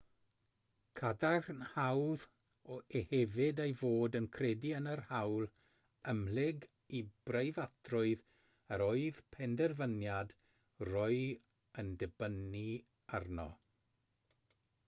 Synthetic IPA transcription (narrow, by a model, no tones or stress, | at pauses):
kʰadarnhawð | ɔehɛvɪdejvoːdənkʰrɛdiənərhawlˠ | əmlɪɡ | ib̥rejvatʰrʊɨð | əɾoːɨð̥pʰɛndɛrvənjad | rɔɨ | əndɛbəni | arnɔ̰